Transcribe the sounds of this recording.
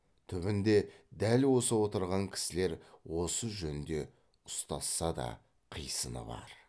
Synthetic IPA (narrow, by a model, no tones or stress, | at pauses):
t̪ʰʏβɪnd̪e̞d̪ælwo̞səwo̞t̪əɾʁɑŋkʲʰɪ̥sɪle̞ɾwo̞səʒɵnɪnd̪e̞ | ʊ̥st̪ɑsːɑd̪ɑ̰ | qʰəjsənə̰bɑ̰ɾ